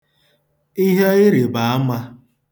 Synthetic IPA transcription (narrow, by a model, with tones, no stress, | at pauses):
i˦ɦe˦ɪ˦ɾɪ˨ba˨a˦ma˦